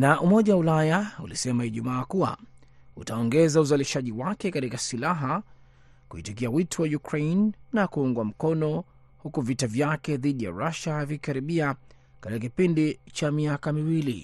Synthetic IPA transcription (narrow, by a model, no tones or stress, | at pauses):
naʔumɔʄawaulajaṵlisɛmaiʄumaːkua̰ | ṵtaɔŋɡɛzauzaliʃaʄiwakɛkatikasilaɦa | kuhḭtikiawitʰɔwajukɾejnːakuuŋɡwam̩kɔnɔ | hukuvitavjakɛðiɗija̰ɾaʃavikaɾiɓia | katikakipindit͡ʃamiakamiwilḭ